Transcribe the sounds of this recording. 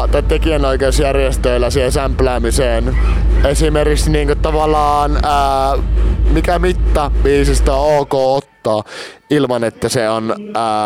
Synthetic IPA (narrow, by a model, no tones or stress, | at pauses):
t̪æt̪ːekiænoˑikeˑːsjærjest̪øˑilːæsihesæmplæːmiseːn | esimerkikst̪iniːŋkot̪ɑʋɑlˑɑːnəː | mikæmit̪ːɑʋiːsist̪æoːkoːot̪ːɑːʔilmɑnet̪ːæseonəː